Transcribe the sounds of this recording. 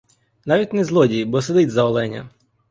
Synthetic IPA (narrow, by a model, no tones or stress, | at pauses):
nɑʋʲitʲnɛzlˠɔdʲijbɔsed̪ɪtʲzɐɔlˠɛnʲɐ̰